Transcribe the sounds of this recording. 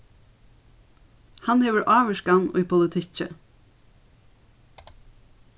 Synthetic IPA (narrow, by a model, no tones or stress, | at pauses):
hɑnheːʋəɹʔɑːʋəʃkɑnʉ̰ːpʰʊlɪt̪ʰɪcə̰